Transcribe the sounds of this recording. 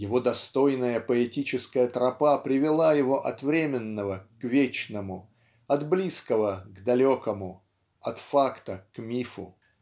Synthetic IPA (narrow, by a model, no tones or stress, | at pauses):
jɪvo̞d̪ɐst̪o̞jnəjəpəɪtʲit͡ɕɪskəjət̪ɾɐpapɾʲɪvʲɪlˠajɪvo̞ʔɐt̪vɾʲemʲɪnːəvəkvʲet͡ɕnəmʊ | ɐd̪blʲiskəvəɡd̪ɐlʲokəmʊ | ɐt̪fakt̪əkmʲifʊ